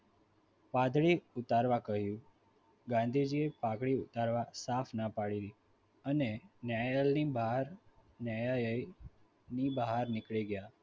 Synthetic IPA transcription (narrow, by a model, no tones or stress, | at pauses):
pad̪ʱɭiʊt̪aɾʋakəɦjũ | ɡãnd̪ʱid͡ʒiepakɭiʊt̪aɾʋasafnəpaɽiɾi | ənenjajalnibaɦɾnajajəj | nibəɦaɾnɪkɭiɡəja